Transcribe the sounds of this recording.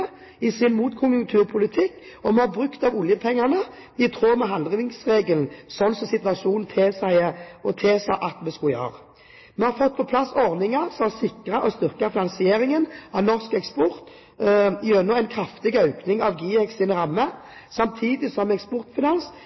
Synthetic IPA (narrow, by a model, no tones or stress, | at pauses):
ə | ɪsɪnmuːt̪kʰʊnjʊŋkt̪ʰʉːʁpʰʊlɪt̪ʰɪkː | ɔmɛhɑʁbʁʉkt̪ɑʋʊljəpʰɛŋːɑnə | ɪt̪ʰʁoːmɛɦɑnd̪ʁɪnɪŋsʁeːɡəln̩sɔnːsɔsɪt̪ʋɑʂuːnn̩t̪ʰeːsæɪəɔt̪ʰeːsæʔɑt̪mɛskʊjø̰ːʁə | mɛhɑɾfɔt̪̚ːpʰɔpʰlɑsːɔʁnɪŋɑʁsɔɑsɪkʁɑʔɔst̪ʏʁkɑfɪnɑnsɪeːɾɪŋənɑʋnɔʁskɛkspɔʁt̪ | ɪɛnɔɛɪnkʰʁɑft̪ɪɡœʉknɪŋɑʋɡiːɛksɪnəʁɑmːə | sɑmt̪ʰiːd̪ɪsɔmɛkspɔʁt̪fɪnɑns